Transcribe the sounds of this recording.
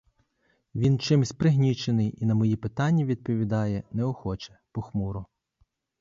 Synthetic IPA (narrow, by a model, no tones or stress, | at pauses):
ʋʲint͡ʃɪmsʲpɾɪɦnʲit͡ʃenɪjinɐmɔjipɪt̪ɑnʲːɐʋʲid̪̚pɔʋʲid̪ɑjɛnɛɔxɔt͡ʃɛ̥pɔxmuɾɔ